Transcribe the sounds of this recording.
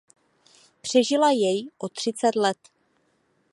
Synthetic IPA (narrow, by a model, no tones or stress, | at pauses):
pr̝̥ɛʒɪlajɛjʔot̪r̥ɪt͡sɛt̪lɛt̪